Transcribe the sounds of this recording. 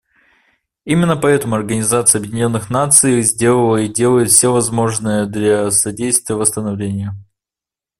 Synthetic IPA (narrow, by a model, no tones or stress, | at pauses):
imʲɪnːəpɐɛt̪əmʊɐrɡənʲɪzat̪sɨjəɐbjɪdʲɪnʲo̞nːɨxnat̪sɨjzʲdʲe̞lˠəlˠəidʲe̞lˠəjɪt̪fsʲevɐzmo̞ʐnɨjəd̪lʲɐsɐdʲejst̪vʲɪjəvəst̪ənɐvlʲenʲɪjʊ